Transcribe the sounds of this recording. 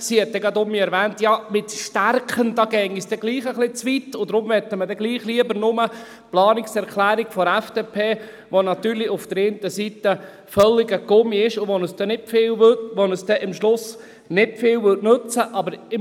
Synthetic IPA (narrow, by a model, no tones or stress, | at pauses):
siɛt̚dɛɡɑd̪ʊmiɛɾʋæːntjɑmɪt̪ʃtærkχənd̥̪ɑːɡ̥ɛŋisd̥ɛɡliːχəχlɪt͡sʋit̪ʊd̥̪ɾʊmʋɛt̪ːəmədɛɡliːχliəbəɾnʊmə | plɑːnɪksɛɾklæːɾikfɔɾæfd̥eːpʰeː | ʋonɑtyːɾliʊfd̥̪əɾeːnt̪əsit̪ə | fœlːiɡəɡʊmiɪʃʊʋɔnəsdɛnɪtfɪːlʋøtʋɔnəsd̥̪ɛʔɪmʃlʊs | nɪtfɪːwʋʏtnɵt͡səʔɑbəɾɪm